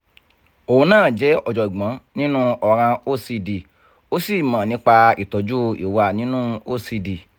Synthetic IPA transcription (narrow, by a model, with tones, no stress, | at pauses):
o˨hũ˧nãː˦˨d͡ʒɛ˨˦ɔ˧˨d͡ʒɔ˨i˨ɡ͡bã˨˦nĩ˦nũ˦ɔ˧˨ɾ̃ã˧o˦si˧di˨ | o˦si˦˨mã˨nĩ˨˦k͡pa˧ḭ˨tɔ˨d͡ʒu˦ḭ˨wa˧˨nĩ˨˦nũ˦o˦si˧di˨